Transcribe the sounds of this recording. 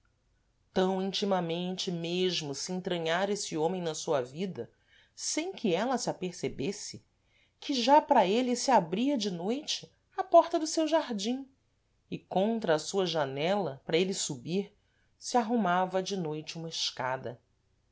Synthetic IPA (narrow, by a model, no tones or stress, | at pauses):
t̪ɐ̃w̃ĩnt͡ʃimɐmẽnt͡ʃɪmeʒmʊsɪẽt̪ɾɐ̃ɲaɾesɪõmẽj̃nɐsuɐvid̪ɐ | sẽj̃kʰɪɛlɐsɪapeɾsebesɪ | kʰɪʒapɾɐelɪsɪabɾiɐd͡ʒɪnojt͡ʃɪ̥ | ɐpɔɾt̪ɐd̪ʊsewʒaɾd͡ʒĩ | ɪkõnt̪ɾɐːsuɐʒanɛlɐpɾɐelɪsubiɾ | sɪaɦumavɐd͡ʒɪnojt͡ʃɪũmɐɪʃka̰d̪ɐ̰